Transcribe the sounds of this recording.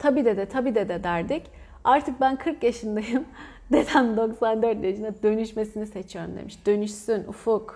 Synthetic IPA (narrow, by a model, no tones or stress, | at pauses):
t̪ʰabiːd̪ɛd̪ɛt̪ʰabiːd̪ɛd̪ɛd̪æɾd̪ic | aɾt̪ʰɯk̚bænkʰɯɾkjaʃɯnd̪ajɯm | d̪et̪ʰænd̪o̞ksand̪øɾt̪jaʃɯnd̪ad̪ø̞nyʃme̞sinise̞t͡ʃʰijo̞ɾumd̪ḛmiʃd̪̥ø̞nyʃsynṵfuk